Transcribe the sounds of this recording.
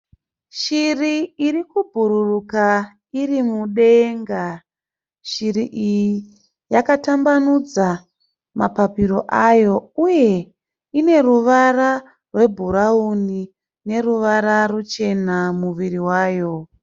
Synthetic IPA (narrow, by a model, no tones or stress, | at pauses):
ʃiriirikubʱuɾuruka | irimuɗe̞ŋɡa | ʃiɾiʔijii | jakatambanud͡za | mapapiɾo̞ʔajo̞uje̞ | ine̞ruʋara | rwe̞bʱuɾauni | ne̞ruʋaɾarut͡ʃe̞namuʋiriwaːjo̞